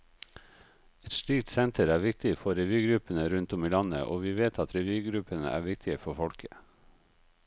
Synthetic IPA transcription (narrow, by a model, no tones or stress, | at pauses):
ɛt̪ʃɭiːk̚t̪sɛnt̪ʰəɾæːʋɪkt̪ɪfɔɾɛʋyːɡɾʉpənəɾʉnt̪ʊmiːlɑnə̰ʔo̰ːʋiːʋeːt̪ʰɑt̪ɾɛʋyːɡɾʉpənə̰ʔæ̰ːʋɪk̚t̪ʰɪəfɔfɔɽkʰə